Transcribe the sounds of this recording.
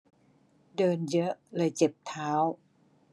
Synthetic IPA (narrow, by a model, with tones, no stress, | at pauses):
dɤː˧njɤ˦˥ʔlɤː˧jt͡ɕe˨˩p̚t̪ʰaː˦˥w